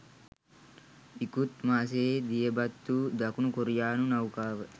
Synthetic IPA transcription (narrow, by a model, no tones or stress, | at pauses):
ikut̪maːs̬eːd̪ijɐbɐt̪ːuːd̪ɐkunukoɾijaːnunɐwkaːʋə